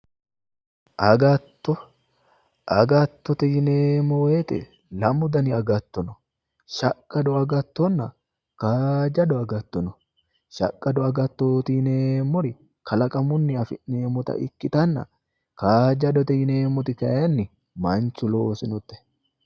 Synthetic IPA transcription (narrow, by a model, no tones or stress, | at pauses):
ʔɐɡɐt̪ːɔ | ʔɐɡɐt̪ːɔt̪ɪjneːmɔwet̪ɛ̰ | lɐmʊd̪ɐnɪɐɡɐt̪ːɔnɔ | ʃɐkʼːɐd̪ɔɐɡɐt̪ːɔnːɐ | kaːd͡ʒɐd̪ɔɐɡɐt̪ːɔnɔ | ʃɐ̰kʼːɐd̪ɔɐɡɐt̪ːoːt̪ɪneːmɔɾɪ | kɐlɐkʼɐmʊnːɪɐfɪʔneːmɔt̪ɐ̰ʔɪkːɪt̪ɐnːɐ̰ | kaːd͡ʒɐd̪ɔt̪ɪjneːmɔt̪ɪkɐjɐnːɪ | mɐnt͡ʃʊloːsɪnʊt̪ːɛ̥